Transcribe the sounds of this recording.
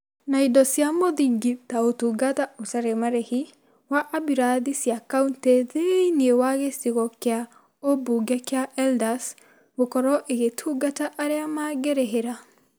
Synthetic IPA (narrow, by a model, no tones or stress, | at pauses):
naidɔsjamoðiɡitaotuɡataotaɾemaɾehi | waʔabiɾaðisjakaunteðeniewaɣesiɣɔkea | obuɡɛkeaɛldas | ɣokɔɾɔʔeɣetʰuɡataʔaɾeamaɡeɾeɦeɾa